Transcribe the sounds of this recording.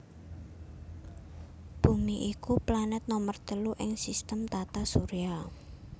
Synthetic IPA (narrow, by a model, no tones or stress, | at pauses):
b̥ṳŋiʔikuplanɛt̪̚nɔmərt̪əluʔɪŋsist̪əmt̪at̪asuɾia